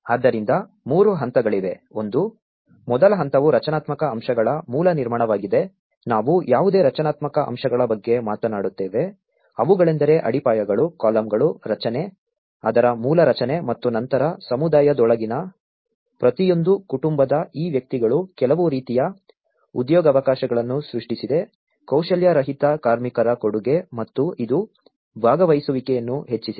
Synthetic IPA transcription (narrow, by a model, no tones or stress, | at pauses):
aːd̪ːɐɾind̪ɐ | muːɾuɦɐnt̪ɐɡɐɭiʋe̞o̞nd̪u | mɔd̪ɐlɐɦɐnt̪ɐʋuɾɐt͡ʃɐnaːt̪mɐkɐːmʂɐɡɐɭɐmuːlɐniɾmaːɳɐʋaːɡid̪e̞ | naːʋujaːʋud̪e̞ːɾɐt͡ʃɐnaːt̪mɐkɐʔɐ̰mʃɐɡɐɭɐbɐɡːe̞maːt̪ɐnaːɽut̪ːeːʋe̞ | ɐʋuɡɐɭend̪ɐɾe̞ʔɐ̰ɽipaːjɐɡɐɭukaːlɐmɡɐɭuɾɐt͡ʃɐne̞ | ad̪ɐɾɐmuːlɐɾɐt͡ʃɐne̞mɐt̪ːunɐnt̪ɐɾɐsɐmud̪aːjɐd̪ɔɭɐɡinɐ | pɾɐt̪ijo̞nd̪ukuʈumbɐd̪ɐiːʋjɐk̚t̪iɡɐɭukɛlɐʋuɾiːt̪ijɐ | ud̪jɔːɡɐʋɐkaːʃɐɡɐɭɐnːusɾuʂʈisid̪e̞ | kɐwʃɐljɐɾɐɦit̪ɐkaːɾmikɐɾɐkoɽuɡe̞mɐt̪ːuid̪u | bʱaːɡɐʋɐjsuʋikɛjɐnːuɦe̞t͡ʃːisi